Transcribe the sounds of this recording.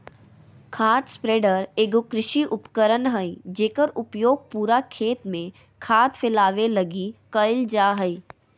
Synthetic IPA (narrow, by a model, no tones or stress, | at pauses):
kʰaːt̪spɾeːɖəɾeːɡokɾɪʃiʔʊpkəɾənɦəid͡ʒeːkəɾʊpjoːɡ̚puːɾakʰeːt̪mẽ | kʰaːt̪fɪlaːʋelɐɡikəɪld͡ʒaːɦəi